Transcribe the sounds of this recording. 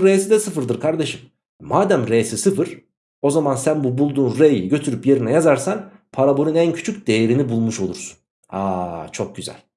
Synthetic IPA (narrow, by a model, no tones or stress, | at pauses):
ɾejsid̪ɛsɯfɯɾd̪ɯɾkʰaɾd̪e̞ʃɯmː | aːd̪æmɾejsisɯfɯɾ̥ | o̞zamansænbubulˠd̪uːnɾejiɟø̞t̪ʰyɾypje̞ɾinɛjazaɾsanpʰaɾaboɾunæncʰy̥t͡ʃʰycd̪e̞jeɾinibulˠmuʃo̞lˠuɾsu̥n | aːt͡ʃʰo̞k̚ɟyzæ̰lʲ